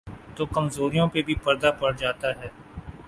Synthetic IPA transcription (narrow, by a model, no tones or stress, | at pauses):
t̪oːkɐmzoːɾijõpebʱipɐɾd̪apɐɽd͡ʒaːt̪aɦɛː